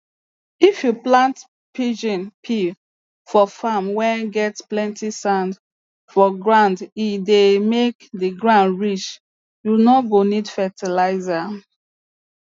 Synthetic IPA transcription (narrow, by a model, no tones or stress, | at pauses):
ifjuplãnt | pid͡ʒĩnpʰi | fɔfamwɛɡɛtsplɛ̃ntʰisãnd | fɔɡɹãndidemekdəɡɹãndɹit͡ʃ | junɔɡonidfɛtʰilaɪza